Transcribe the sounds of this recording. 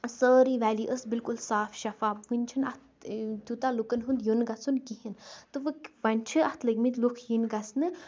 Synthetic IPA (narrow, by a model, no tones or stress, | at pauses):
səːɾiʋæːliʔəsbilkulsaːfʃɐfaːbʋɨnʲt͡ʃʰɨnɐt̪ʰ | t̪ʲut̪alukənɦund̪junɡɐt͡sʰunkiɦint̪ɨʋɨkʋɐnʲt͡ʃʰɨɐt̪ʰləɡmit̪ʲlukʰjinɡɐt͡snɨ